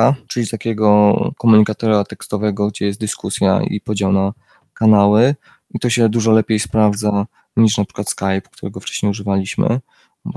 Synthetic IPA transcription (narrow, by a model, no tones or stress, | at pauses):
at͡ʂɘlʲit̪akʲɛɡɔkɔmuɲikat̪ɔɾat̪ɛkst̪ɔvɛɡɔɡd͡ʑɛjɛst̪d̪ɘskusʲja̰ḭpɔd͡ʑawna | kanawɘ | it̪ɔɕɛd̪uʐɔlɛpʲjejspɾavd̪za | ɲiʂnapʂɘ̥kwat̪skajpkt̪uɾɛɡɔft͡ʂɛ̥ɕɲejuʐɘvalʲiɕmɘ̰